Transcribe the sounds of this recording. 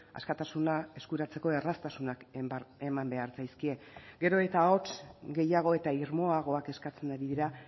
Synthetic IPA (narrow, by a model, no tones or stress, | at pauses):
a̰skat̪asunae̞skuɾat͡se̞ko̞e̞rast̪asunake̞mambe̞aɾt͡sajskie̞ɡe̞ɾo̞e̞t̪ao̞t͡sɡe̞jaɣ̞o̞e̞t̪aiɾmo̞aɣ̞o̞ake̞skat͡se̞naɾiðiɾa